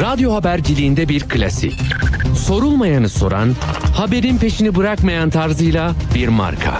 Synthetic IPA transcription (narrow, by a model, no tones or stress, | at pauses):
ɾad̪jo̞ɦabæɾd͡ʒilʲijːnd̪ɛbiɾkʰɯlʲa̰sḭcso̞ɾulˠmajanɯso̞̰ɾa̰nhabe̞ɾinpe̞ʃinibɯɾakmajant̪ʰaɾzɯjlˠabiɾma̰ɾkʰa̰